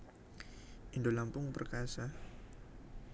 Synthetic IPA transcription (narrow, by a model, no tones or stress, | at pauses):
ʔindolampʊŋpərkasa